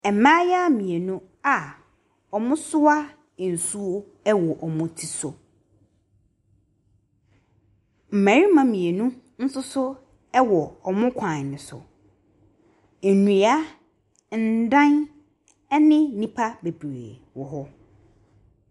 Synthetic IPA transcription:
ɛ˨˦mã˦ja˦mĩ˨e˨nũ˦ | a˨ | ɔ˨mʊ̃˦sʊ˦a˦˨ | n̩˨su˦wo˦ | ɛ˦wɔ˨ʔɔ˨mʊ̃˦tʰi˦sʊ˨ | m̩˨mæ̃˨ɾi˦mã˨mĩ˨e˨nũ˦ | n̩˦sʊ˦sʊ˦ | ɛ˦wɔ˨ɔ˨mʊ̃˦kʷʰã˨nɪ̃˨sʊ̰˨ | nũ˨a˦ | n̩˨dã˦n | ɛ˦nɪ̃˦nĩ˦pʰa˦be˨bɾḛː˨wɔ˨ɦɔ˦

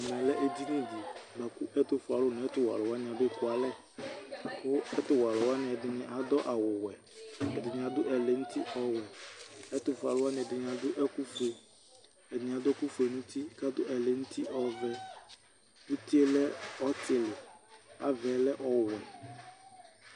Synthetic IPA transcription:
a˨mɛ˨lɛ˦ʔe˦d̪i˦nĩ˦d̪i˨ɡ͡ba˨ku˦ʔɛ˦t̪ʊ˦fʊ˨a˨lʊ˦nʊ̃˨ɛ˦t̪ʊ˦wa̰˨lʊ˨wa˦nɪ̃˨a˨be˦˨kʊ˦a˨lɛ˦ | kʊ˦ɛ˦t̪ʊ˨wa˨lʊ˨wa˦nɪ̃˨ɛ˨d̪ɪ˨nɪ̃˦ʔa˨d̪ɔ˦ʔa˨wʊ˨wɛ˨ | ɛ˨d̪ɪ˨ɲ˨ã˨d̪ʊ˦ʔɛ˨lɛ˨ŋũ˦t̪ʰi˦ʔɔ˦wɛ˨ɛ˦t̪ʊ˨fʊ˨a̰˨lʊ˦wa˦nɪ̃˨ɛ˨dɪ˨ɲ˨a˨d̪ʊ˦ʔɛ˦ku˦fe˨ | ɛ˨d̪ɪ˨ɲ˨a˨d̪ʊ˦ɛ˦ku˦fe˨nũ˦t̪i˦ka˦d̪ʊ˦ʔɛ˨lɛ˨ŋũ˦t̪i˦ʔɔ˨vɛ˦ | wʊ˦t̪i˦e˦lɛ˦ɔ˦t̪ɪ˨lɪ˨a˨vɛ˨˦lɛ˦ʔɔ˨wɛ˨

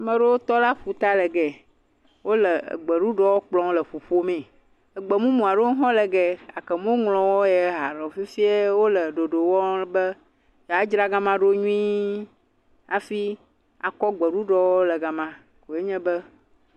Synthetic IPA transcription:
mə̃˨ɖe˦wo˦t̪ɔ˦la˦ɸu˨t̪a˦lɛ˨ɡɛ˨ | wo˦lə̰˨ɡ͡bɛ˨ɖu˦ɖɔ˦wo˦k͡plɔ̃˦lə˨ɸo˨ɸo˦mẽ˨ | ə˨ɡ͡bə˨mũ˦mũ˨a˨ɖe˦ɦɔ̃˦lɛ˨ɡɛ˦a̰˨kə˨mõ˦ŋlɔ̃˨wo˦jɛ˨˦ɦa˨ɾɛ˨fi˦fi˦e˦wo˦lə˨ɖo˨ɖo˨wɔ˦bə˦ | ja˨˦d͡ʒɾa˦ɡa˦mã˦ɖo˦ɲũ˦ĩ˦ | a˨fi˦ | a̰˨kɔ˦ɡ͡bə˨ɖu˦ɖɔ˦wo˦lə˨ɡa˨mã˦ | ko˨e˦ɲɛ̃˦bə˦

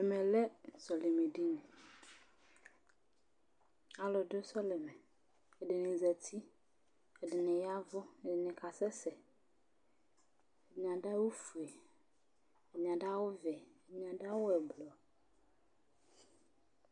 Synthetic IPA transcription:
ɛ˨mɛ̃˨lɛ˦sɔ˨le˨me˨ɖi˦nɛ̃˨ | a˨lɔ˨do˦sɔ˦lɛ˨mɛ˨ | e˨ɖe˨nɪ̃˨zɛ˨t̪ʰi˦ | ɛ˨dɪ˨nẽ˨ja˦vʊ˦e˨dɪ˨nẽ˨ka˨sɛ˦sɛ˨ | e˨mĩ˨ã˨ɖa˦wo˦fu˨e˨ | e˨mĩ˨ã˨ɖa˦wo˦vɛ˨e˨mĩ˦˨ã˨ɖa˦wo˦ɛ˨blɔ˨

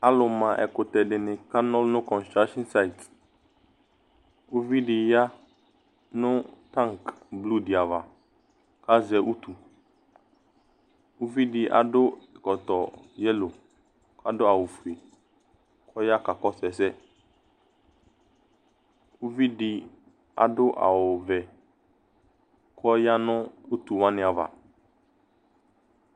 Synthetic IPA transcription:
a˦lʊ˨mã˨ʔɛ̰˨kʊ˨t̪ɛ˨dɪ˨nɪ̃˨ka˦nɔ˦lnʊ̃˦kɔ̃˨nst̪ɾa˦kʃɔ̃˦nsa˦i˨t | u˦vi˦ɖɪ˨ja˦ | nʊ̃˦t̪ã˦ŋkblu˦di˨a˨va˨ | ka˦zɛ˨ʔu˦t̪u˨ | u˦vi˦dɪ˨ʔa̰˨dʊ˦˨kɔ˨t̪ɔ˨jɛ˦lo˨ | kʰa˦dʊ˦a˨wʊ˨fu˨e˨ | kʰɔ˦ja˦ka˨kɔ˦sɛ˨sɛ˦ | wu˦vi˦dɪ˨ | a̰˨dʊ˦ʔa̰˨wʊ˨vɛ˨ | kʰɔ˦ja˦nʊ̃˦u˦t̪u˨wa˦nɪ̃˨a˨va̰˨

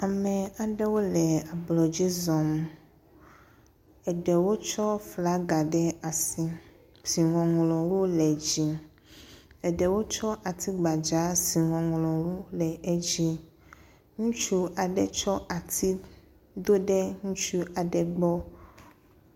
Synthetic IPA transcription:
a˨mɛ˨a˨ɖɛ˦wo˦lɛ˨a˨blɔ˨d͡ʑi˦zɔ˨m | ɛ˨ɖɛ˨wo˦t͡ʃɔ˦fla˦ɡa˨ɖɛ˦a˨si˦ | si˨ŋɔ̃˨ŋlɔ̃˨wo˦lɛ˨d͡ʑi˨ | ɛ˨ɖɛ˨wo˦t͡ʃɔ˦ʔa˨t̪ʰi˦ɡ͡ba˨d͡ʒa˨˦si˨ŋɔ̃˨ŋlɔ̃˨wo˦lɛ˨ɛ˦d͡ʑi˦ | ŋũ˦t͡ʃu˦ʔa˨ɖɛ˨t͡ʃɔ˦ʔa˨t̪ʰi˦ | d̪o˦ɖɛ˦ŋũ˦t͡ʃu˦a˨ɖɛ˨ɡ͡bɔ˦

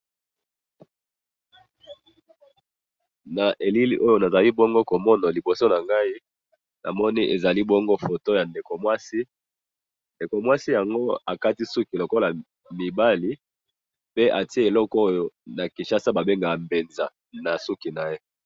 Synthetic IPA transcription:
na˨ʔe˨li˦lḭ˦ʔo˦jo˦na˨za˨li˦bɔ˦ŋɡo˦ko˨mɔ˦na˨li˨bo˨so˦na˨ŋɡa˦i˦ | nʔa̰˨mɔ˦ni˦ʔe˨za˨li˦bɔ˦ŋɡo˦fo˨to˦ja˨nde˨ko˨mwa˦si˦ | nde˨ko˨mwa˦si˦ja˨ŋɡo˦a˨ka˦ti˦su˦ki˨lo˨ko˦la˨ | mi˨ba˦li˨˦ | pe˦ʔa˨ti˦e˦e˨lɔ˦ko˦jo˨na˨ki˨nʃa˨sa˦ba˨be˦ŋɡa˨a˨mbe˨nza˨ | na˨su˦ki˨na˨je˦

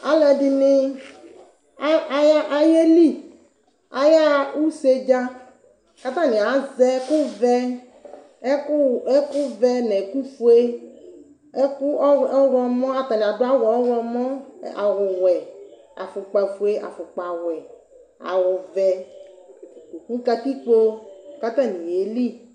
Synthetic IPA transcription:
a˦lɛ˨ɖi˦nɪ̃˦˨ | ja˦ʔa˨je˦li˦˨ | a˨ja˦wu˦se˦d͡ʒa˦ | ka˦t̪ã˦nĩ˨a˨˦zɛ˦kʊ˦vɛ˦ | e˦kʊ˦vɛ˦nɛ̃˨ku˦fu˦e˦ | kwɔ˦mɔ̃˦a˨t̪a˨nĩ˨a˨ɖʊ˦a˨˦wɔ˨˦wɔ˦mɔ̃˦a˨wʊ˨wɛ˨ | a̰˨fʊ˨k͡pa˨fu˨e˦ʔa̰˨fʊ˨k͡pa˨wɛ˨ | a̰˨wʊ˨vɛ˨ | u˨ku˦ka˧t̪i˦k͡po˦ka˦t̪ã˦nĩ˨je˨li˦

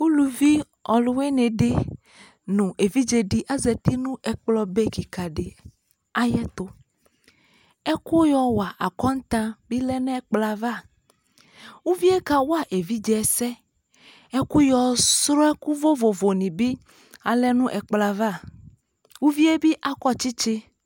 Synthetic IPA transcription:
wu˦lu˨vi˦ | ɔ˨lu˦we˦nẽ˨ɖe˦ | nũ˨ʔe˨vi˦d͡ʒe˨ɖi˦ʔa˦zɛ˨t̪i˦nũ˦ɛ˨k͡plɔ˦be˦ki˨ka˨ɖe˨ | a˦jɛ˦t̪o˦ | ɛ˦ku˦jɔ˨wa˨ʔa˨kɔ˦n˦t̪ã˦bi˦lɛ˦nɛ̃˦k͡pla˨va˦˨ | wu˦vi˦e˦ka˦wo˦a˦˨ʔe˨vi˦d͡ʒɛ˨ɛ˨sɛ˦ | e˦ku˦jɔ˨sɾɔ˦ɛ˦ku˦vo˦vo˨vo˨nĩ˨bi˦ | a˨lɛ˦nũ˦ʔɛ˨k͡pla˨va˦˨ | wu˦vi˦e˦bi˦ʔa˨kɔ˦t͡ʃi˦t͡ʃe˦

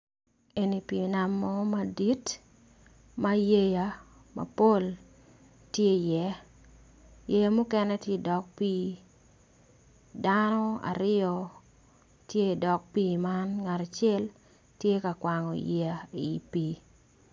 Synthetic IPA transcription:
e˨ni˨pi˨na˨mːɔ˦ma˦di˦t | ma˦je˦ja˨ | ma̰˨po˦l | tje˦˨jɛ˦ | je˦ja˦mu˦kɛ˦nɛ˦tje˦dɔ˨k̚piː˦ | danɔ˦a̰˨ɾɪɔ˦ | tje˦˨dɔ˨k̚piː˦ma˦nŋa˨ɾa˨t͡ʃɛ˦l | tje˦ka˨kwa˨ŋɔ̰˨ja˨i˨piː˦

